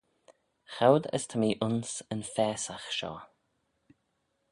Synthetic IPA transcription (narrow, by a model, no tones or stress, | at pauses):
xawd̪ə̰st̪ʰəmiːʔʊnsənfɛːsaxʃɔ̰ː